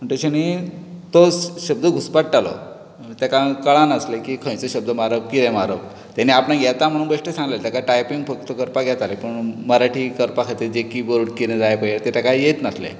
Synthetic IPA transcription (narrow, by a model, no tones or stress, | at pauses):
m̤əɳʈ̪əɕəñit̪oɕəb̚d̪əɡʱuspaʈːalɔ̰ | t̪akakəɭãnəslekiːkʰə̃j̃t͡səɕəb̚d̪əmaɾəpkiɾẽmaɾəp | t̪aniapnaɡʱɛt̪am̤əɽ̃ũːnbəʂʈəsãŋɡlelt̪akaʈajpiŋɡfək̚t̪əkəɾpaɡʱjɛt̪alepəɳməɾaʈʰikəɾpakʰat̪ed͡ʑekibəɾɽkiɾẽd͡zajpəjet̪ɛt̪akaijet̪nəslḛ